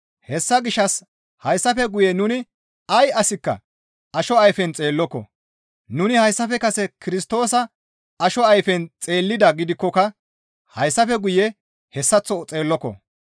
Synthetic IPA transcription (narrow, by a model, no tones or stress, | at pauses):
hɛsːɐɡɪʃɐs | hɐjsːɐfɛɡʊjɛnʊnɪ | ɐjɐsɪkːɐ̰ | ɐʃɔɐjfɛnt͡sʼe̞ːlːɔkːɔ̰ | nʊnɪhɐjsːɐfɛkɐsɛkʰɪɾɪst̪o̞ːsɐ | ɐʃɔɐjfɛnt͡sʼe̞ːlːɪd̪ɐɡɪd̪ɪkːɔkɐ | hɐjsːɐfɛɡʊjɛ | hɛsːɐt͡sːɔt͡sʼe̞ːlːɔkːɔ̰